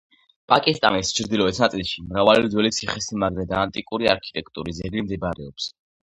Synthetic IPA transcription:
pʼakʼist̪ʼa̰nist͡ʃʰɾd̪ilɔɛt̪ʰnat̪sʼilˠʃimɾavalid̪zwɛlit̪sʰiχɛsimaɡɾɛd̪aːnt̪ʼikʼuɾia̰ɾkʰi̥t̪ʼɛkʰʼt̪ʼṵɾiszɛɡlimd̪ibaɾɛɔps

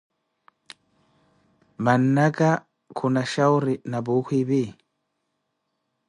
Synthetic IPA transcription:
manːaɡa | kʰʊnaʃawɾɪnabuːkibi

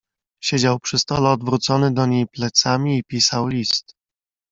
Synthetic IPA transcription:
ɕed͡ʑawpʂɘst̪ɔlɛɔd̪vɾut̪sɔnɘd̪ɔɲejplɛt̪samʲiːpʲisawlʲist̪

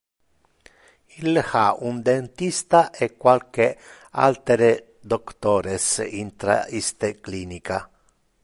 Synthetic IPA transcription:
ilxaund̪ent̪ist̪aʔekːwalke | a̰lt̪eɾe | d̪okt̪oːɾesint̪ɾa̰ist̪eklinika

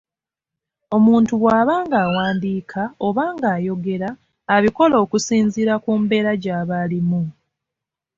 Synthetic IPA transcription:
o̞muːntuɣwaːβaːŋɡaːwaːndiːkʰao̞βaːŋɡaːjo̞ɡe̞ɾaː | βiko̞lo̞ːkusiːɲziɾakuːmbe̞ːɾaɟaːβalimu

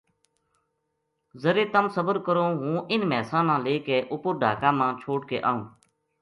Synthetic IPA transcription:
zəɾeːt̪əmsəbəɾkəɾoːɦũːʔɪnmɛːsãːnãːleːkeːʔʊpʊɾɖʱa̰ːkãːmãːt͡ʃʰoːʈ̚kḛːʔa̰ːɦũː

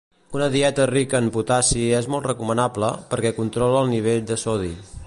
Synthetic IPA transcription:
unəðiɛt̪ərikəːmput̪asiezmɔlˠt̪rəkumənabləpəɾkɛkunt̪ɾɔləːlˠniβ̞eʎd̪əsɔði

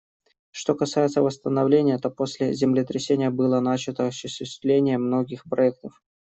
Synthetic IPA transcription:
ʂt̪o̞kɐsajɪt̪səvəst̪ənɐvlʲenʲɪjət̪o̞po̞sʲlʲɪzʲɪmlʲɪt̪ɾʲɪsʲenʲɪjəbɨlˠənat͡ɕɪt̪əɐɕːʊɕʲʏɕɪst̪lʲenʲɪjəmno̞ɡʲɪxpɾɐɛk̚t̪əf

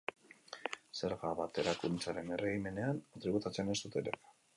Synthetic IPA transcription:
se̞ɾɣaβat̪e̞ɾakunt͡saɾe̞nereɣime̞ne̞ant̪ɾiβut̪at͡sene̞st̪ut̪eɾe

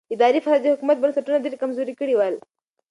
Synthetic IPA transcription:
id̪aɾiːfʰaɾad͡ʑiɦukumət̪̚bənsəʈunəd̪iɾkəmzoɾiːkiɽiʋal

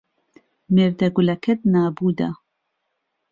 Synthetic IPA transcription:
meːɾd̪ɐɡulɐkʰɐt̪̚naːbud̪ɐ̰

